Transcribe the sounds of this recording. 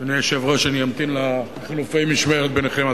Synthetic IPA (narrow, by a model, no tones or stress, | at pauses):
anijeʃevʁaʃaniamt̪inla | χilufemiʃmeʁet̪̚beneχema